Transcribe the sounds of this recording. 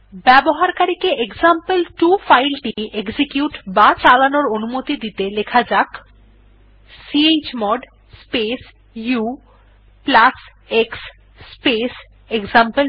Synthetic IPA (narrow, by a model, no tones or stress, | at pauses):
bɛboɦaɾkaɾikeʔekzampelʈufajlʈieksikjuʈbat͡ɕalanoɾonumot̪id̪it̪elekʰad͡ʑak | siet͡ɕmɔɖ | spes | ju | plas | eksː | pes | ekzampel